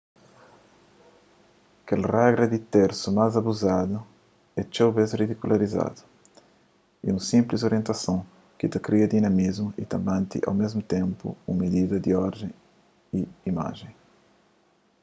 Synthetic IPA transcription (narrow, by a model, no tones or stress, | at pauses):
kelraɡɾɐd̪it̪eɾsumazɐbuzad̪u | ɛt͡ʃewbezrid̪ikulaɾiza̰d̪u̥ | ḭũsĩmplizoɾiẽnt̪ɐsɐ̃w̃ | kit̪ɐkɾiɐd̪inɐmizmʊḭt̪ɐ̃mbãnt̪ḭʔa̰wmezmʊt̪ẽmpṵũmid̪id̪ɐd̪iɔɾd̪ẽ | iima̰ʒẽj̃